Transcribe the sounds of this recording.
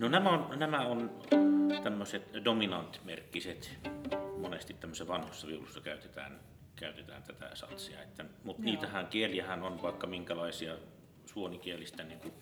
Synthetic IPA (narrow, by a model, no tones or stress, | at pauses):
nonæmæonnæmæon | t̪æmːøset̪dominɑnt̪mḛrkːiset̪ | monest̪it̪tæmːøseʋɑnhosːɑʋiulusːɑkæˑyt̪et̪æ̰ːn | kæˑyt̪et̪æ̰ːnt̪æt̪æ̰sɑ̰t̪siɑ̰et̪ːæmut̪niːt̪æhæŋkieliæhænonʋɑˑekːɑmiŋkælɑˑesiɑ | suonikielist̪æniːŋku